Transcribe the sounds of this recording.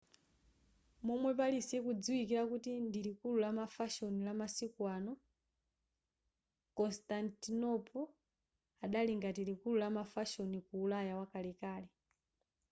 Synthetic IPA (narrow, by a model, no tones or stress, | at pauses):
mɔmwɛp̬alisɛkud͡zuikiɾakutindilikululamafaʃɔnilamasikwanɔ | kɔnstantinɔpʰɔ | aɗaliŋɡatilikululamafaʃɔnikuːlajawakalɛkaːlɛ